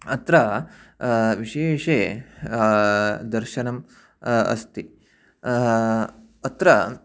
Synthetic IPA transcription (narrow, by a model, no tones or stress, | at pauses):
ɐt̪ɾɐ | ʋiɕeːʂe | d̪ɐɾʃɐnɐm | ɐ̰st̪i | ɐt̪ɾɐ